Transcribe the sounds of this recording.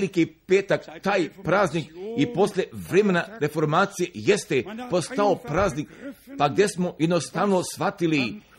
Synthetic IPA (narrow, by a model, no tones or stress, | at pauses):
likipeːt̪akt̪aːjpɾaːznikipo̞slje̞ʋɾeme̞naɾe̞fo̞ɾmaːt̪sije̞je̞st̪epost̪aopɾaːznikpaɡd̪je̞smojed̪nost̪aʋnosʋat̪ili